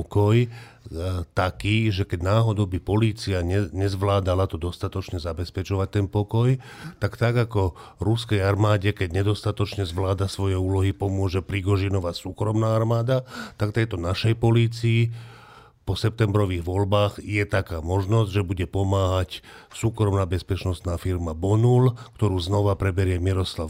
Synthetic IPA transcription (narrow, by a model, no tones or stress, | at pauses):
kɔj | t̪akiːʒɛkɛɟnaːɦɔd̪ɔʊbipɔliːt͡siaɛɲɛzʋlaːd̪alat̪ɔd̪ɔst̪at̪ɔt͡ʃɲɛzabɛspɛt͡ʃɔʋac̚t̪ɛnpɔkɔj | t̪akt̪aɡakɔɾuskɛjaɾmaːɟɛkɛɟɲɛd̪ɔst̪at̪ɔt͡ʃɲɛzʋlaːd̪asʋɔjɛuːlɔɦipɔmʊɔʒɛpɾiɡɔʒinɔʋasuːkɾɔmnaːaɾmaːd̪at̪akft̪ɛjt̪ɔnaʃɛjpɔliːt͡sii | pɔsɛp̚t̪ɛmbɾɔʋiːɣʋɔlbaːɣjɛt̪akaːmɔʒnɔzɟʒɛbuɟɛpɔmaːɦac | suːkɾɔmnaːbɛspɛt͡ʃnɔst̪naːfiɾmabɔnulkt̪ɔɾuːznɔʋapɾɛbɛɾɪɛmiɾɔsla